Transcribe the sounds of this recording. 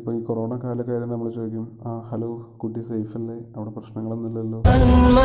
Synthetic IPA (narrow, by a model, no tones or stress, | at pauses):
ipːoːɭiːkoro̞ːɳakaːlɐkːaːjt̪innɐmːɐɭet͡ɕoːikʲːumahɐloːkuʈːisɐjfɐllːeɐʋiɽeprɐɕnɐŋːɐɭenːilːɐlːo̞ːaːnmuɐ